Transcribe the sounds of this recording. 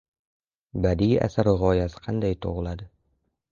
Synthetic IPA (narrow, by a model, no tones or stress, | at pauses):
bad̪iʔa̰saɾʁɒjasɪ̥qʰɑnd̪ajt̪ʰo̰ʁɨlˠad̪ɪ